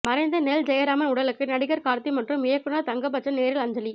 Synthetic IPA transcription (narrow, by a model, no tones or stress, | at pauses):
mɐɾɐɪnd̪ɐnɛld͡ʒɛjɐɾaːmɐʊɽɐlɯkːɯnɐɽɪɣɐɾkaːɾt̪imɐʈrɯmɪjɐkːɯnɐt̪ɐŋɡɐp̬ːɐt͡ʃːɐneːɾɪlɐɲd͡ʒɐli